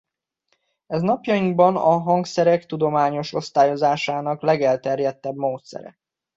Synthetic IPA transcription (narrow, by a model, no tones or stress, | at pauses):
ɛznɒpjɒjiŋɡbɒnɒɦɒŋksɛɾɛkt̪ud̪o̞maːɲo̞ʃo̞st̪aːjo̞zaːʃaːnɒklɛɡɛlt̪ɛrjɛt̪ːɛbmoːt̪sɛ̰ɾɛ̰